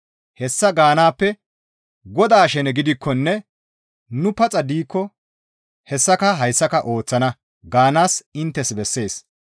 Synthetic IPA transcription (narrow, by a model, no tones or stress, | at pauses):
hɛsːɐɡaːnaːpːɛ | ɡɔd̪aːʃɛnɛɡɪd̪ɪkʰːɔnːɛ | nʊpɐt͡sʼɐd̪iːkːɔ | hɛsːɐkɐɦɐjsːɐkɐʔo̞ːt͡sːɐnɐ | ɡaːnaːsɪnt̪ːɛsbɛsːe̞ːs